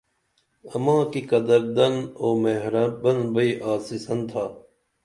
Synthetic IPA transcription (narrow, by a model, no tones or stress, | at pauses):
ɐmãːkikɐd̪ɐɾd̪ɐnoːmeɦɾɐbɐnbɐiːʔaːsisɐnt̪ʰaː